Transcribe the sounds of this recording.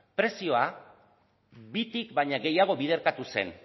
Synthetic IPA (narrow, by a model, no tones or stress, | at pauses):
pɾe̞sio̞a | bit̪ikbajɲaɣe̞jaɣ̞o̞βið̞e̞ɾkat̪use̞̰n